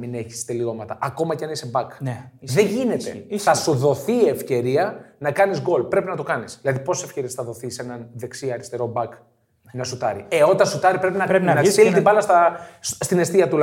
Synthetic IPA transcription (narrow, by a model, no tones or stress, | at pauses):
mine̞çi̥st̪elio̞mɐt̪ɐʔɐko̞mɐceɐnisebɐknðeɲʝine̞t̪eθɐsoðo̞θie̞fce̞ɾiɐnɐkɐnizɡo̞lpɾe̞pinɐt̪o̞kɐnisðilɐðipo̞se̥sefce̞ɾie̞sθɐðo̞θise̞nɐnðe̞ksiɐɾist̪e̞ɾo̞bɐk | nɐsut̪ɐɾḭeo̞t̪ɐsut̪ɐɾipɾepinɐɾinnɐsilit̪ibɐlɐst̪ɐst̪ine̞st̪iɐt̪ul